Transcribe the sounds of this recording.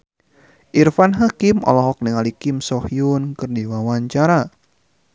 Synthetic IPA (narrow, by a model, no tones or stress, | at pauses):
ʔirfanɦakɪmɔ̰lɔɦɔk̚nəŋalikɪmsɔhjunkɨrdiwawaɲt͡ʃaɾa